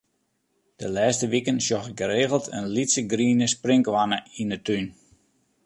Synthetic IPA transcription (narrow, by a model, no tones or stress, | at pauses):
d̥əlɛːstəʋikənsjɔxɪɡəɾeːɣəlˠtʰə̰nlitsəɡriːnəsprɪŋkʋanəinətyn